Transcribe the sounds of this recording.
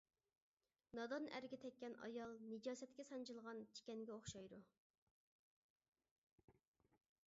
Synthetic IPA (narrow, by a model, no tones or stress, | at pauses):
nɑd̪ɑnæ̰ɾɡʲɛt̪ʰɛkʲːɛnɑ̰jɑlˠned͡ʒɑːsɛt̪kʲɛsɑnt͡ʃʰɨlˠʁɑnt͡ʃʰi̥kʲɛnɡʲɛoχʃɑjd̪u